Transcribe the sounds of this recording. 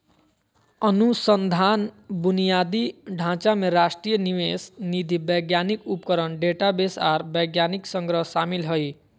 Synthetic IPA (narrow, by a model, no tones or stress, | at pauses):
ʌnusənd̪ʱanbunijad̪iɖʱãt͡ʃameɾasʈɾijəniwesnid̪ʱibʌjɡjanikupkəɾənɖeʈabesaɾbʌjɡjaniksʌŋɡɾʌɦsamilɦoj